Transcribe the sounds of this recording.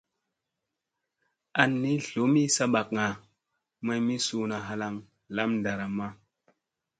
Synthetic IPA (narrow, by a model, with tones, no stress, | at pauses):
a˨nːi˦ɬo˨˦mi˦sa˦ɓa˨kŋa˨ | ma˦jmi˦su˨na˨ɦa˨la˨ŋ | la˦mda˨ɾa˨mːa˦